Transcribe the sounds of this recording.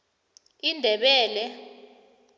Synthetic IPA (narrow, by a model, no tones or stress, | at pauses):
indʱɛɓɛːlɛ